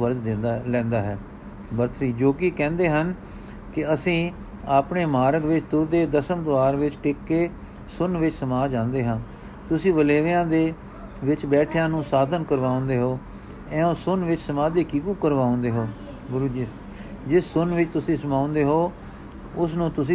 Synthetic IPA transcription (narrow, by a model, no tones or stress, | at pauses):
əɾd̪ɪlɛ̃ːnd̪aːɦɛː | bəɾt̪ʰɾiːd͡ʒoːkiːkɛ̃ːnd̪eːɦən | kɪəsĩː | aːpɳeːmaːɾəɡʋɪt͡ʃt̪ʊɾd̪eːd̪əsəmd̪ʊʋaːɾʋɪt͡ʃʈɪkːeː | sʊnʋɪt͡ʃsəmaːd͡ʒãːnd̪eːɦãː | t̪ʊsĩːʋəleːʋjãːd̪eː | ʋɪt͡ʃbɛːʈʰjãːnũːsaːd̪ənkəɾʋaːõnd̪eːɦoː | ɛ̃ːõːsʊnʋɪt͡ʃsəmaːd̪eːkiːkũːkəɾʋaːõnd̪eːɦoː | ɡʊɾuːd͡ʒiː | d͡ʒɪsːʊnʋɪt͡ʃt̪ʊsĩːsəmãːʊ̃nd̪eːɦoː | ʊsnũːt̪ʊsĩː